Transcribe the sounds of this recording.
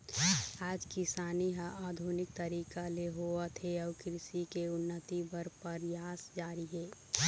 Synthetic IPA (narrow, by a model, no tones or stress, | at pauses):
aːd͡ʒkɪsaːniɦãʔaːd̪ʱunɪk̚t̪əɾiːkaleɦoat̪ʰeɔʋkɾɪsikeʊnːət̪ibəɾpəɾjaːsd͡ʒaːɾiɦɛː